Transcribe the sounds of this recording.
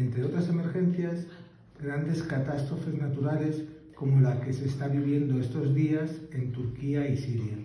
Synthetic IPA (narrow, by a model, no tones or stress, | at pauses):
ent̪ɾe̞o̞t̪ɾase̞me̞ɾxe̞n̟θjaz | ɡɾand̪e̞skat̪ast̪ɾo̞fe̞znat̪uɾale̞s | ko̞molake̞se̞ːst̪aβiβje̞nd̪oe̞st̪o̞zðiase̞nt̪uɾkiaisiɾja